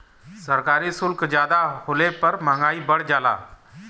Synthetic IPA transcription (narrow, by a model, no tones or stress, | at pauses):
səɾkaːɾisʊlkd͡ʑjaːd̪aholepəɾmãŋɡaːibəɽd͡ʒala̰ː